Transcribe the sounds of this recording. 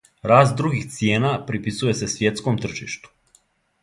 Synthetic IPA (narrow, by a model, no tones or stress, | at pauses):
ɾaːst̪̚d̪ɾuɡixt̪sje̞ːnapɾipisuje̞se̞sʋje̞t̪skomt̪r̩ʒḭʃt̪u̥